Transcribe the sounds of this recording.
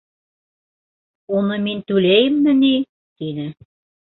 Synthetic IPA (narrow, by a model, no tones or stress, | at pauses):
onɤ̆mint̪ulejɘmnɘ̆ni | t̪inɘ̆